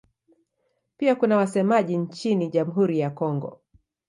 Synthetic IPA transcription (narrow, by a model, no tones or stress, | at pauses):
piakunawasɛmaʄiɲt͡ʃiniʄamuɦuɾijakɔŋɡɔ̰